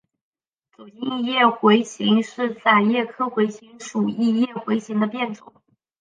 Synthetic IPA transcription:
t͡so˨˩i˥˧ŋjɛ˥˩xwe˧˥ɪɕi˧˥ŋʂɻ̩˥˧t͡sa˥˩ɪjɛ˥˩kʰɤ˥xwe˧˥ɪɕi˧˥ŋʂu˨˩i˥˧jɛ˥˩xwe˧˥ɪɕi˧˥ŋd̪ə˧pjɛ˥˩nʈ͡ʂʊ̰˨˩˦ŋ

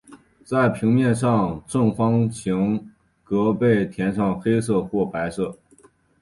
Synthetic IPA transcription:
t͡sa˥˩ɪpʰi˧˥ŋmjɛ˥˧nʂɑ˥˧ŋʈ͡ʂɤ˥˩ŋfɑ˥ŋt͡ɕʰi˧˥ŋ | kɤ˧˥pe˥˩ɪt̪ʰjɛ˧˥nʂɑ˥˩ŋxe˥ɪsɤ˥˧xwɔ˥˩pa˧˥ɪsɤ˥˩

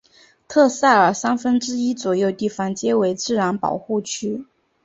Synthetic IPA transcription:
t̪ʰɤ˥˧sa˥˩ə˞˨˩sa˥nfə˥nʈ͡ʂɻ̩˥i˥t͡swɔ˨˩jo˥˧ʊt̪i˥˩fɑ˥˩ŋt͡ɕjɛ˥we˧˥ɪt͡sɻ̩˥˩ɻa˧˥npɑ̰˨˩ʊxu˥˩t͡ɕʰy˥

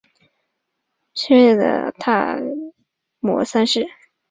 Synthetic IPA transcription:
t͡ɕʰɛ˥jɛ˥˩d̪ə̰˩t̪ʰa˥˩ | mwɔ̰˧˥sa˥nʂɻ̩˥˩

